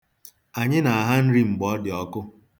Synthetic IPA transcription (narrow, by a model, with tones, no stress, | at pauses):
a˨ɲɪ˦na˨a˨ɦa˦n̩˦ɾi˦ŋ͡m̩˨ɡ͡bɔ˨˦dɪ˨ɔ˦kʊ˦